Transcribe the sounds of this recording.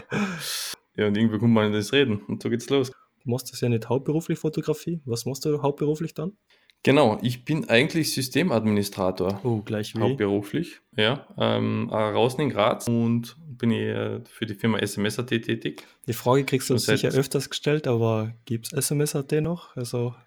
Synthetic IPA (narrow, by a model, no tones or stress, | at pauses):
jaːʊntɪɡŋ̩tv̥oːkʰɔmmanɛsʁeːdn̩ʊntz̥oːɡeːtsloːs | dumaχstd̥asjaːnɪthaʊp̚b̥əʁuːflɪçfotoɡʁafiːvasmaχst̚d̥uːɦaʊp̚b̥əʁuːflɪçd̥an | ɡ̥ənaʊʔɪçb̥ɪnʔa̰ɪɡŋ̩tlɪçz̥ʏstʰeːmadminɪstʁ̥a̰ːtʰoːɐʔoːɡ̥laɪçvhaʊpb̥əʁuːflɪç | jaːʔɛ̰ma̰ʁaʊsnenɡʁa̰ːtʊntb̥ɪnɪɛ̰fyːɐdiːfɪɐmaʔɛsɛmɛsadʰeːtʰɛːtɪçd̥iːfʁ̥aːɡəkʁ̥iːkstd̥uçɐʔœftɐstɡ̥ə̥ʃtɛltʔaːbɐɡ̥iːp̚sɛsɛmɛsateːnɔχʔalzo